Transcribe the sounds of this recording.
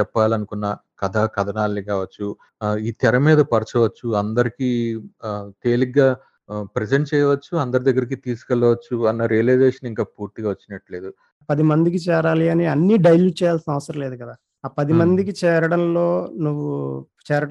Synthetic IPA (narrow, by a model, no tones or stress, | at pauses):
ɛpːaːlɐnukunːɐkɐd̪ʱɐkɐd̪ʱɐnaːlːikaːʋɐt͡ʃːu | iːt̪ɛɾɐmiːd̪ɐpɐɾt͡ʃɐʋɐt͡ʃːuɐnd̪ɐɾikiː | t̪eːliɡaː | pɾeseɳʈ̚t͡ʃɛːjɐʋɐt͡ʃːuɐnd̪ɐɾid̪ɐɡːɐɾik̬it̪iːsu̥kɛlːɐʋɐt͡ʃːuɐnːɐɾijɐlɐjd͡ʒeːʂɐniŋkaːpuːɾt̪iɡaːʋɐt͡ʃːinɐʈle̞ːd̪u | pɐd̪imɐnd̪ik̬it͡ʃɛːɾaːliɐniɐnːiɖɐjljuːɖ̚t͡ʃɛːjaːlsinɐʋɐsɐɾɐ̃mle̞ːd̪ukɐd̪aː | aːpɐd̪imɐnd̪ikit͡ʃɛːɾɐɽɐnlo̞ːnuʋːu | t͡ʃɛːɾɐ